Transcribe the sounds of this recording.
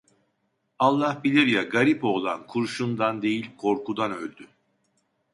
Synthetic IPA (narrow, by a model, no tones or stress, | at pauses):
alˠːahbilʲiɾjaɡaɾipo̞ːlˠankʰuɾʃund̪and̪e̞jilʲkʰo̞ɾkud̪anølʲd̪y